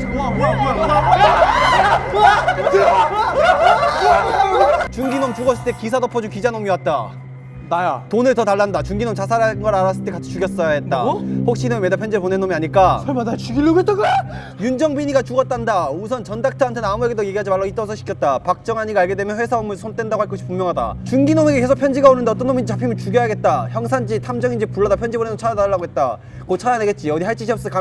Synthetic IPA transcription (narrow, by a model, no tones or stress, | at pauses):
t͡ɕuŋɡinomt͡ɕuɡʌs͈ɭt͈ekisʰadopʰʌd͡ʑuŋkid͡ʑanomiwat̚t͈a | ajtonɯɭtʌtaɭːandat͡ɕuŋɡinomt͡ɕasʰaɾanɡʌɾaɾas͈ɯɭt͈e̞kat͡ɕʰi̥t͡ɕuɡjʌs͈ʌet̚t͈aɸok̚ɕ͈inomimedapʰjʌnd͡ʑeponenːomiaɲik͈amadat͡ɕiɡilːoɡetaɡɯ | jund͡ʑʌŋbiɲiɡat͡ɕuʌt̚t͈andausʰʌnt͡ɕʌndak̚tʰaantʰe̞namueɡedoje̞ɡiɦad͡ʑimaɭːait͈ʌsʰʌɕʰi̥kʰjʌt̚t͈apak̚t͡ɕ͈ʌŋɦaɲiɡaɭɡe̞dwemjʌnɸwe̞sʰaomɯɭsʰont͈wendaɡohaɭk͈ʌɕʰi̥pumjʌŋɦada̰t͡ɕuŋɡinomeɡekʰesʰopʰjʌnd͡ʑiɡaonɯndeʌt͈ʌnːomid͡ʑet͡ɕapʰimjʌnt͡ɕuɡjʌɦaɡe̞t̚t͈açjʌŋs̬ʰand͡ʑitʰamd͡ʑʌŋind͡ʑepuɭːʌdapʰjʌnd͡ʑibonenot͡ɕʰaɾadaɭːaɡoɦe̞t̚t͈a | kot͡ɕʰaɾaneɡe̞t̚t͡ɕ͈iʌdiɦaɭt͡ɕ͈iɕ̬ʰʌps͈ka